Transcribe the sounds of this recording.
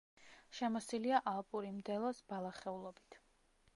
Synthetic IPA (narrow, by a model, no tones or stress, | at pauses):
ʃɛmɔsiliaʔalˠpʼuɾimd̪ɛlˠɔsb̥alˠaχɛulˠɔbit̪ʰ